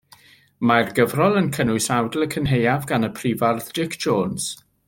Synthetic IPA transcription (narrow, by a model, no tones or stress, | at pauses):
marɡəvrɔlˠənkʰənʊɨsawdlˠəkʰənɦejavɡanəpʰr̥iːvarðd̥ɪkʰʒ̥oːnz̥